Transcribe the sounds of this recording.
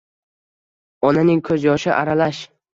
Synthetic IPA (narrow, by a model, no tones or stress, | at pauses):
ɒnanɪŋkʰɵzjɒʃɪʔaɾalaʃ